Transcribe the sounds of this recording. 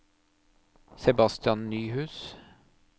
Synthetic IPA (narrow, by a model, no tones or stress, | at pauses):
sɛbɑst̪ɪɑnnyːhʉːs